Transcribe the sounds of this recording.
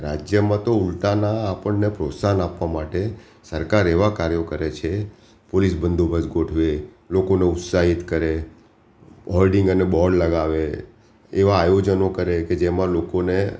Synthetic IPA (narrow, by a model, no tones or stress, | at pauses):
ɾad͡ʒjəmãt̪oʊlʈ̪anaːpəɳnepɾot̪sanapʋamaʈe | səɾkaɾeʋakaɾjokəɾet͡ʃʰe | polisbənd̪ʱobʱəsɡoʈʰʋe | lokoneʊt̪saɦit̪kəɾe | ɦɔlɖɪ̃ŋɡənebɔɾɖləɡaʋe | eʋaːjod͡ʒənokəɾeked͡ʒemãlokone